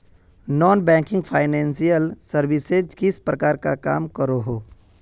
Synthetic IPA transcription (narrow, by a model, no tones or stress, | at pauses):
nɔːnbɛ̃ːŋkɪ̃ŋɡpʰaːɪnɛ̃ːnsijəlsəɾʋɪsed͡ʒkɪspɾəkaːɾka̰ka̰ːmkəɾoɦoː